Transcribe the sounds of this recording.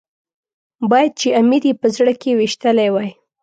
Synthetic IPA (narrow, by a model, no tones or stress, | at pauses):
bɑjad̪̚t͡ʃeamiɾjepəzɽəkewiʃt̪əlajwaj